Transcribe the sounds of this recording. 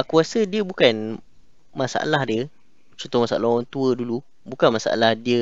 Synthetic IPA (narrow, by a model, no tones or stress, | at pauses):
akuasədiəbukan | masa̰ʔa̰lahdiə | t͡ʃɔnt̪ʊmasaʔalaaŋt̪uədulu | bukanmasa̰ʔa̰lahdiə